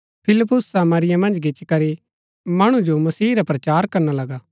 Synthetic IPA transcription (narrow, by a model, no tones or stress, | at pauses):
pʰɪlɪp̬ːʊsːaːmɐɾɪjãmɐ̃nd͡ʒɡɪt͡ʃkɐɾi | mɐɽ̃ũd͡ʒomɐsiːɾapɾɐt͡ʃaːɾkɐɾnalɐɡaː